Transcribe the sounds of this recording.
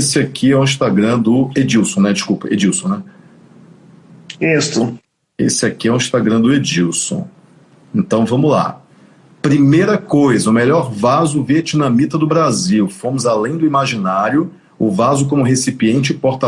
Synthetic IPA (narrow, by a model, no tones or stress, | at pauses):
sɪakʰiɛw̃ĩʃt̪aɡɾɐ̃d̪ʊed͡ʒiwsõw̃nɛd͡ʒɪskupɐḛd͡ʒiwsõw̃nɛ | ist̪ʊ | ḛsɪakiɛw̃ĩʃt̪aɡɾɐ̃d̪ʊed͡ʒiwsõ̰ | ẽnt̪ɐ̃w̃vɐ̃mʊla̰ | pɾimejɾɐkojzɐʊmeʎɔɾvazʊviet͡ʃinɐ̃mit̪ɐd̪ʊbɾaziwfõmʊzalẽj̃d̪ʊimaʒinaɾjʊ | ʊvazʊkõmʊɦesipiẽnt͡ʃɪpoɾt̪a